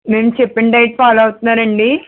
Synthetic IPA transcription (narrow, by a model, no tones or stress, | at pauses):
meːmt͡ʃɛpːeɳɖɐjʈ̚paːlaːʋt̪unːaːɾɐɳɖi